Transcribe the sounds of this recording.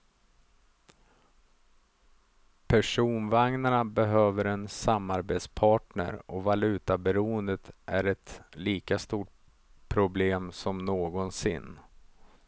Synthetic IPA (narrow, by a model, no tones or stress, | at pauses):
pʰæʂuːnvaŋnaɳabɛɦøːvəɾɛnsamːaɾbeːt̪spʰɑːʈɳə̰ɾɔvalʉ̟ːt̪abɛɾuːənd̪ət̪ʔæɾɛt̪liːkast̪uːʈ | pʰɾʊbleːmsɔmnoːɡɔnsɪ̰nː